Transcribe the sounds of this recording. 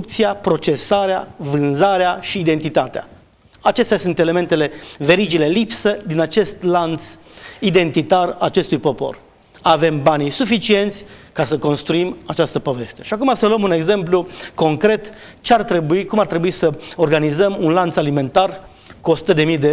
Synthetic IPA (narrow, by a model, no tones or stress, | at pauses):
ukt̪sijapɾo̞t͡ʃe̞saɾeavɨnzaɾeaʃiːd̪e̞nt̪it̪at̪ea̰ | at͡ʃe̞st̪ʲasunt̪e̞le̞me̞nt̪e̞le̞ve̞ɾid͡ʒile̞lipsəd̪inat͡ʃe̞st̪lant̪s | id̪e̞nt̪it̪araat͡ʃe̞st̪ujpo̞po̞̰r | ave̞mbanisufit͡ʃie̞nt̪sʲkasəko̞nst̪ɾuimat͡ʃast̪əpo̞ve̞st̪eʃiakumasəluəmune̞ɡze̞mpluko̞ŋkɾe̞t̪ | t͡ʃeart̪ɾe̞buikumart̪ɾe̞buisəo̞rɡanizəmunlant̪salime̞nt̪ar | kuo̞su̥t̪əd̪e̞mid̪e